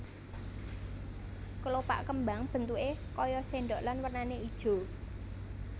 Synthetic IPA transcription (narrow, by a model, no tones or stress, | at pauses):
kəlopa̰ʔkəmbaŋb̥ə̤nt̪uʔekɔjɔseɳɖoʔlanwərnaneid̥ʒ̥o̤